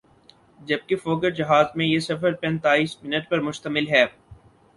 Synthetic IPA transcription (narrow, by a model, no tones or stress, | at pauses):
d͡ʒɐb̚kefoːk̬əɾd͡ʒɪɦaːzmẽjesɐfəɾpɛ̃nt̪aːiːsmɪnəʈpɐɾmʊʃt̪əmɪlɦɛː